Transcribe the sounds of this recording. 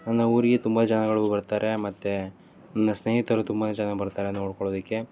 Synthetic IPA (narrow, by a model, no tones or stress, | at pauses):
nɐnːɐuːɾiɡet̪umbɐt͡ʃɐnɐɡɐɭuubɐɾt̪aːɾʔe̞mɐt̪ːe | nɐnːɐsneːɦit̪ɐɾut̪umbaːnet͡ʃɐnɐbɐɾt̪aːɾenːoːɽkoɭoːd̪ikːe̞